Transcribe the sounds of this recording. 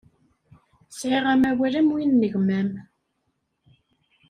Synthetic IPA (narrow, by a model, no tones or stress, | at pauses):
sʕeʁæmæwæɾæmwinːəʝmæm